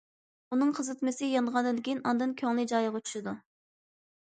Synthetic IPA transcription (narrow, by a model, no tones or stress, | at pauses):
unɨŋqʰəzɨt̪mɨsɪjɑnʁɑnd̪ɨd̪kʲinɑnd̪ɨnkʲʰøŋlˠɪd͡ʒɑjəʁɑt͡ʃʰy̥ʃɪd̪u